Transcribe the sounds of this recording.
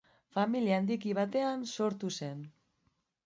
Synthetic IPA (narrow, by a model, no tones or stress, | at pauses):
familiand̪ikiβ̞at̪e̞anso̞ɾt̪use̞n